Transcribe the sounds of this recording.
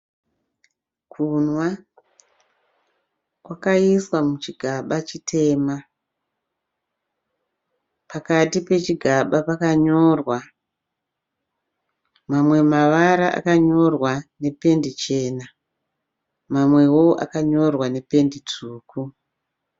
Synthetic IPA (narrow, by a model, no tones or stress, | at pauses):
kʰunwa | kwakaiswamut͡ʃiɡʱaɓat͡ʃitʰe̞ːma | pakatipe̞t͡ʃiɡʱaɓapakaɲo̞rwa | mamwe̞maʋaɾaʔa̰kaɲo̞rwane̞pe̞ndit͡ʃe̞ːna | mamwe̞woʔa̰kaɲo̞rwane̞pe̞ndit͡suːku